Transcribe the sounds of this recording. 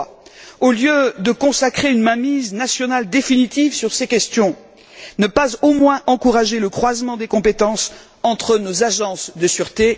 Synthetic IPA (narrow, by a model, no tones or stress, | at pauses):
oljød̪əkɔ̃sakχeynmamiznasjɔnald̪efinit̪ivsyʁsekʲɛst̪jɔ̃ | nəpazomwɛ̃ʔɑ̃kuʁaʒeləkχwazmɑ̃d̪ekɔ̃pet̪ɑ̃s | ɑ̃t̪χənozaʒɑ̃sd̪əsyʁt̪e